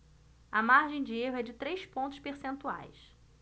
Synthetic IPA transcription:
ɐmaɾʒẽj̃d͡ʒɪeɦʊɛd͡ʒɪt̪ɾejspõnt̪ʊ̥ʃpeɾsẽnt̪ua̰js

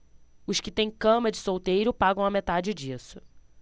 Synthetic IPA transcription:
ʊʃkɪt̪ẽj̃kɐ̃mɐd͡ʒɪsowt̪ejɾʊpaɡɐ̃w̃ɐmet̪ad͡ʒɪd͡ʒisʊ̥

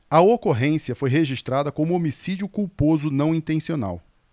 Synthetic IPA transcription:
ɐokoɦẽsiɐfojɦeʒiʃt̪ɾad̪ɐkõmʊomisid͡ʒʊkuwpozʊnɐ̃w̃ĩt̪ẽsiona̰w

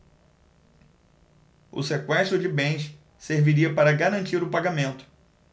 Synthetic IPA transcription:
ʊ̰sekwɛʃt̪ɾʊd͡ʒɪbẽj̃s | seɾviɾiɐpaɾɐɡaɾɐ̃nt͡ʃiɾʊpaɡamẽnt̪ʊ̥

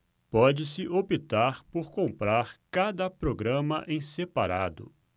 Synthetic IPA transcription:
pɔd͡ʒɪsɪʔopit̪aɾpoɾkõmpɾaɾkad̪ɐpɾoɡɾɐ̃mɐʔẽj̃sepaɾad̪ʊ̰

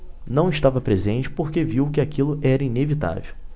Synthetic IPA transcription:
nɐ̃w̃ɪʃt̪avɐpɾezẽnt͡ʃɪ̥poɾkeviwkɪakilʊʔɛɾɐinevit̪a̰vḛw

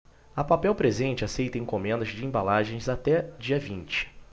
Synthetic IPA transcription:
ɐpapɛwpɾezẽnt͡ʃɪasejt̪ɐẽj̃kõmẽnd̪ɐzd͡ʒɪẽbalaʒẽj̃zat̪ɛd͡ʒiɐvĩnt͡ʃɪ̥

